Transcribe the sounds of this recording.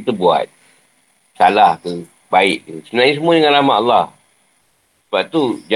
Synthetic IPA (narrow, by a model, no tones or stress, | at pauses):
it̪əbua̰t̪̚ | salahkə | baɪʔkəsənãis̬əmuadəŋãnramaʔalːɑh | səbap̚t̪ud͡ʒ